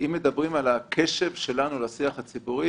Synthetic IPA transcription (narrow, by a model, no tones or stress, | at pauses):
ʔimːe̞d̪abʁimalakʰe̞ʃe̞vʃe̞lanulasiaχat͡sibuʁi